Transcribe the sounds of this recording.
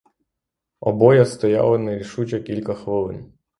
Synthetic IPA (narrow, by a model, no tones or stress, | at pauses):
ɔbɔjɐst̪ɔja̰lˠɪnɐɾʲiʃut͡ʃɛkʲilʲkɐxʋɪlˠɪ̰n